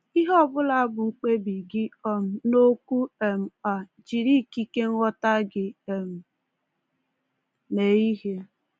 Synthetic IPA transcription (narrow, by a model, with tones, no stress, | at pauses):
i˦ɦɔ˦bʊ˦la˨a˦bʊ˨ŋ͡m̩˨k͡pe˦bi˨ɡɪ˦ɔ˦m̩˨no˦ku˦e˨m̩˨a˨ | d͡ʒi˨ɾi˦˨ki˦ke˦ŋ̩ʷ˦ɔ˦ta˦ɡɪ˨e˨m̩˨ | ne˨i˦ɦe˦